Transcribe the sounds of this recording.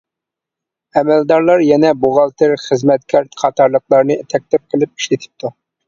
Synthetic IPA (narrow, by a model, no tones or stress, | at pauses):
ɛmɛld̪ɑɾlˠɑɾjɛnɛbuʁɑlˠt̪ʰɪɾχəzmɛt̪̚kʲʰæɾt̪qʰɑt̪ʰɑɾlˠəqlˠɑɾnɨt̪ʰɛk̚ʲt̪ɪp̚qʰəlˠɪp̚i̥ʃlɪt̪ʰɪ̥p̚t̪ʰu